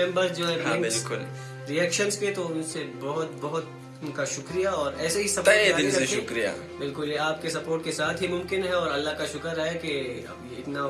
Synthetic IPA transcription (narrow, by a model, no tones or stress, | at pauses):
ɛ̃mbəɾsd͡ʒoːɦɛ̃ɾɦbɪlkʊl | ɾiɛːkʃənsket̪oʊnsebɐɦʊt̪bɐɦʊt̪ | ʊnkaʃʊkɾijaɔːɾɛːseɦisɐpeaɪ̃seʃʊkɾija̰ | bɪlkʊljeaːp̚kesɐpoːɾʈkesaːt̪ʰɦimʊ̃mkɪnɦɛɔːɾɐlːaɦkaʃʊkəɾɦɛkeɐ̰b | ɪt̪na